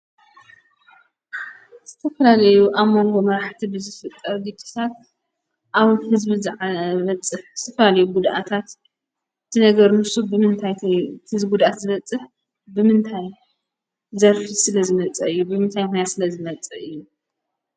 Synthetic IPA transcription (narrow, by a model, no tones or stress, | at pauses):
z̥ɨt̪ʰɐfɐlalɐjuʔaβmːo̞ŋɡo̞mɐɾaħt̪ʰibɨzɨfɨt̪ʼːɐɾɡ̪it͡ʃʼi̥sʰat̪̚ | ʔaβhɨzbizʕβɐt͡sʼɨħt̪ʰɐfɐlalɐjuɡud̪ʔat̪ʰat̪ | t̪ʰɨnɐɡɐɾmɨsubɨmɨnt̪ʰajɨzɡud̪ʔat̪zɨβɐt͡sʼːɨħ | bɨmɨnt̪ʰaj | zɐɾfisɨlɐzɨmɐt͡sʼɐɨjːubɨmɨnt̪ʰajmujat̪sɨlɐzɨmɐt͡sʼɐɨjːu